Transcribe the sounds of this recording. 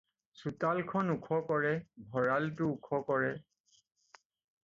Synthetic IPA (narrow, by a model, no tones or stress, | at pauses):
sutalkʰɔnukʰɔkɔɹɛbʱɔɹaltʊukʰɔkɔɹɛ